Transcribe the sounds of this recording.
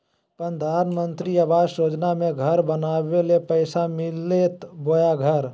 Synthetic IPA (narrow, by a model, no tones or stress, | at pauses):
pənd̪ʱaːnmə̃nt̪ɾiaʋaːd͡ʒoːd͡ʒnamẽɡʱəɾbənaːʋelepəɪsamɪlːet̪bojaɡʱəɾ